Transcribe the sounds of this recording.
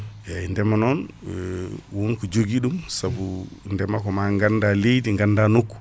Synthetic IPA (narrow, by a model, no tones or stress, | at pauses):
jaindɛmanɔn | wunkud͡ʒoɡiɗumsabundɛmakɔmaŋɡandalejdiŋɡandanukːu̥